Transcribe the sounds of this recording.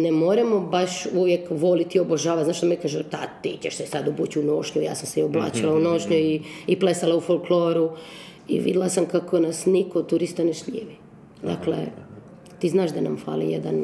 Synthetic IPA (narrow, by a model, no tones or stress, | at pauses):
nemoːɾamobaʃuʋjekʋo̞lit̪ioboʒaːʋat̪zaːʃd̪amekaːʒet̪at̪iːceʃsɛsad̪ubut͡ɕunoʃkeja̰ːsamseioblˠa̰ːt͡ʃilauno̞ʃɲeiiplesalaufolkloːɾu | ḭʋḭd̪ilˠasamkakʰo̞nasnikot̪uɾist̪aneʃʎḭːʋi | d̪a̰klḛ | t̪iːznaːʒd̪ana̰mfa̰ːlḭjed̪an